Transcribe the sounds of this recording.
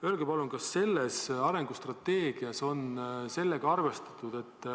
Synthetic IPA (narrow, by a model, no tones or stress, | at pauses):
øːlɡepɑluŋkɑsːe̞lːesɑɾe̞ŋɡ̥ust̪rɑt̪ːe̞ːɡ̥iɑso̞nse̞lːeɡ̥ɑɑrve̞st̪ɑ̥t̪ˑːud̪̥e̞t̪ː